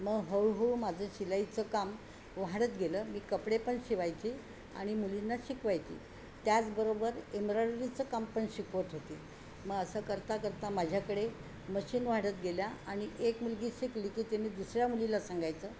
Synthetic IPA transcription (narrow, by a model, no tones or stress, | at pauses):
məɡɦəɭɦoɭuːmad͡zʱəːɕilajt͡səkam | ʋaɽət̪ɡʱeləːmiːkəpɽepəɳɕiʋajt͡ɕiː | a̰ɽ̃imulinːaɕikʋajt͡ɕḭː | t̪jat͡sbəɾobəɾemɾaɽɾit͡səkampəɳɕikʋət̪ɦot̪i | məɡəsəkəɾt̪akəɾt̪amad͡ʑʱjakəɽe | məɕiːnʋaɽət̪ɡeljaaɽ̃iʔekmulɡiːɕikliːkiːt̪eniːd̪usɾjamulilasaŋɡajt͡səː